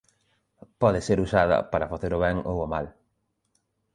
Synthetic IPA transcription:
pɔðɪseɾusað̞ɐ̰paɾɐfaθeɾʊβɛŋo̰womal

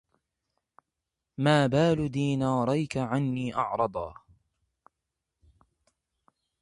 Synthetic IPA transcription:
maːbaːlʊd̪iːnɑːɾˤɑjkaʕanːiːʔɑ̰ʕɾˤɑd̪ˤɑ̰ː

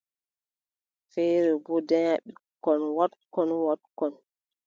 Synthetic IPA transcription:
fɛjɾɛbɔdɛɲaɓikːɔnwatkɔnwat̚kɔn

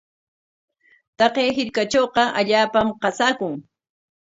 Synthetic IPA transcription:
t̪ɑqejɦɪɾkat͡ʃowqɑʔaʎaːpamqɑsaːkʊŋ

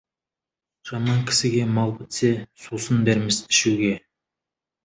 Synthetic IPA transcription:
ʒ̥ɑmɑŋkʲʰɪ̥sɪɡʲe̞mɑlˠbɪt̪se̞susənd̪eɾmɪsɪʃuɡʲe̞

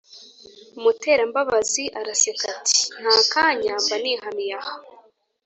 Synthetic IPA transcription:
umute̞ːɾambaβaziʔaɾasekatʰi̥n̥haːkaːɲaːmbaniːhamijaha

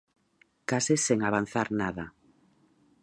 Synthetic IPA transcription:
kasɪseŋaβ̞an̟θaɾnaða

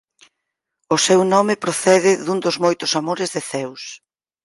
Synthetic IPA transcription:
ʊsewnɔmɪpɾoθɛðɪðund̪ʊzmojt̪ʊsamoɾɪzðɪθɛws

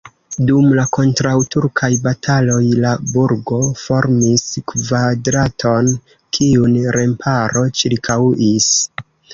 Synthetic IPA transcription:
dumlako̞ntɾawtuɾkʰajbatʰalo̞jlabuɾɡo̞fo̞ɾmiskvadɾatʰo̞n | kʰiunɾe̞mpʰaɾo̞t͡ʃiɾkʰawʔis

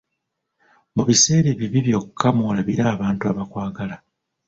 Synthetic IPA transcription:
muβise̞ːɾeβiβiβjo̞kkʰːamoːlaβiɾaːβaːntuaβakwaːɡala

